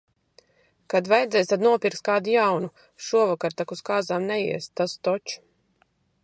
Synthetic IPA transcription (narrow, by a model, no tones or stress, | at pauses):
kad̪vajd̪zɛjst̪ad̪nuɔpʲiɾkst̪̚kaːd̪ijawnu | ʃuɔvakaɾt̪akuskaːzaːmnɛjḭɛst̪ast̪ɔt͡ʃ